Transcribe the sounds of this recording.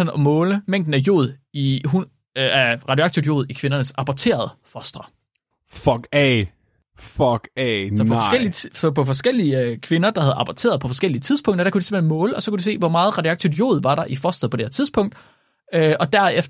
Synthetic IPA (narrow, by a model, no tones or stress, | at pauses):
enɒ̽mɔ̽ːləmeŋ̰d̥n̩æjo̝̰ːð̩ˠiɦu | æʁɑ̈djoɑ̥t͡sʰud̥jo̝̰ːðˠikʰʋe̝nɐnəsɑ̈pʰɒt͡sʰe̝̰ːɐð̞ˠəfɒsd̥ʁɐ | fɒɡ̥ɛ | fɒɡ̥sɒ̽pɒɒ̥el̰iɒpʰɒ̽fɒ̽sɡ̥el̰ikʰʋe̝nɐd̥ɑ̈hæð̞̩ˠʔɑ̈pʰɒt͡sʰe̝ːɐpʰɒ̽fɒ̽sɡ̥el̰iət͡sʰið̞ˠspʰɔ̽ŋ̰d̥ɐd̥ækudu̥se̝mhenmɔ̽ːləɒ̽sɒkud̥use̝̰ːʋɒmɑ̈ːð̞̩ˠʁɑ̈djoɑ̈ɡ̥t͡sʰud̥jo̝̰ːð̞ˠʋɑ̈ɾɑ̈ʔifɒsd̥ð̩ˠpɒ̽deeɐt͡sʰið̞ˠspʰɔ̽ŋ̰d̥ | øʔɒ̽d̥æɐef